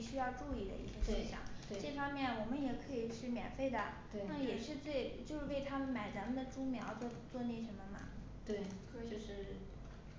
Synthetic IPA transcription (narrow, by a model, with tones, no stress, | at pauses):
ɕy˥jɑ˥˧ʊʈ͡ʂu˥˧i˥˩d̪ə̰˩ḭ˥˩ɕɛ˥˩ʂi˧˥˩ɕjɑ̰˨˩˦ŋt̪e˥˩ʈ͡ʂɤ˥˩fɑ˥ŋmjɛ˥˩nwɔ˨˩mə˦njɛ˨˩kʰɤ˧˥i˨˩ʂɻ̩˥˩mjɛ̰˨˩nfe˥˩ɪd̪ə̰˩we˥˩na˥˩jɛ˨˩ʂɻ̩˥˧t͡swe˥˩ɪt͡ɕjo˥˧ʊʂɻ̩˥˩we˥˩ɪt̪ʰa˥mə˨nma˨˩ɪt͡sa˧˥mə˨nd̪ə˨ʈ͡ʂu˥ŋmjɑ˧˥ʊt͡swɔ˥˧t͡swɔ˥˧ni˥˩ʂə˧˥mə˧mɐ̰˨˩ | t̪we˥˩ɪ˧ | ʂɻ̩˥˩